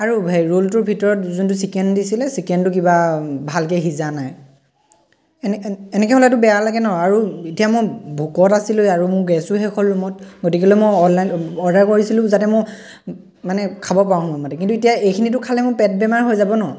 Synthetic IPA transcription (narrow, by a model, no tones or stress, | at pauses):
aɹubʱaɹolt̬ʊɹbʱitɔɹɔtzuntusikɛndisilɛsikɛntʊk̬ibabʱalkɛɦizanaj | ɛnɛkɛɦɔlɛtʊbɛjalaɡɛnɔɔaɹuitijamobʱukɔtasilʊaɹumʊɹɡɛsuɦɛkʰɔlːumɔt̚ɡotik̬ɛlomojɔlajnɔɹdaɹkoɹisilʊ̃zatɛmʊɹ | manɛkʰabɔp̬awmɔjmɔtɛk̬intuitijaejkʰinit̬ʊkʰalɛmʊ̃pɛt̚bɛmaɹɦojzabɔnɔ